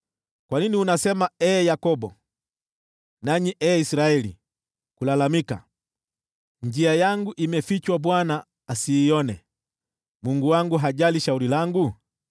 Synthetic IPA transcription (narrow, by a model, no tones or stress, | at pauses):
kwaniniunasɛmaɛjakɔbɔ | naɲiʔɛisiɾaɛlḭ | kulalamika̰ | ɲd͡ʒiajaŋɡuʔimɛfit͡ʃwabwanaː | siːɔnɛ | muŋɡuwaŋɡuɦaɟaliʃaulilaŋɡu